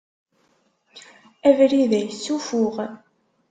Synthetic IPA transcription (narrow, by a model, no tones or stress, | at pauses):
ævɾiðæjəsːufʊʁ